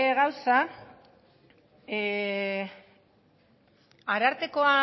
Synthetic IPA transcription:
eɣawsa | aɾaɾt̪e̞ko̞a

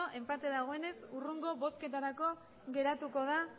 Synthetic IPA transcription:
oʔe̞mpat̪eðaɣ̞o̞e̞ne̞suruŋɡo̞βo̞ske̞t̪aɾako̞ | ɣe̞ɾat̪uko̞ð̞a

